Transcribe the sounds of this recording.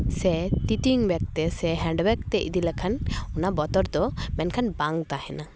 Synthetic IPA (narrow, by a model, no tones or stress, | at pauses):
sɛt̪iʈiŋbɛk̚t̪ɛsɛɦɛɳɖbɛkt̪ɛʔḭd̪ilakʰanunabɔt̪ɔɾd̪ɔmɛnkʰanbaŋt̪ahɛna